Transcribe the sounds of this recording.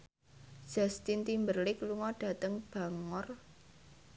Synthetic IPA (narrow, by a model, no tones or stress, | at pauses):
ʒ̥a̤st̪int̪imbərlɪkluŋɔɖ̥a̤t̪əŋb̥a̤ŋɔr